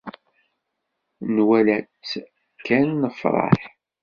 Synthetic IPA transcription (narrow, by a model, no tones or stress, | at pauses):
nwælæt͡sː | kːænːəfɾˤɑ̰ħ